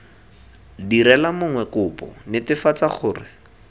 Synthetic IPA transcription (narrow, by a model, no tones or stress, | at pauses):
diɾɛlamʊŋwɛkʊpɔ̰nɪtɪfat͡saχʊːrɪ